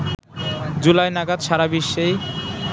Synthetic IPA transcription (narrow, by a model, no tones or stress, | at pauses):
d͡ʑulajnaɡad̪ʃaɾabiʃːej